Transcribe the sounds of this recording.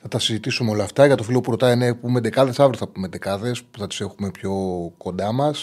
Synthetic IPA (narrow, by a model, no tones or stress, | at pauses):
θɐt̪ɐsizit̪isumeo̞lɐːft̪ɐʝɐt̪o̞filo̞pupɾo̞t̪ɐinepume̞d̪e̞kɐðe̞sɐvɾoθɐpume̞d̪e̞kɐðe̞spu̥θɐt̪i̥se̞xume̞pço̞ko̞nd̪ɐmɐs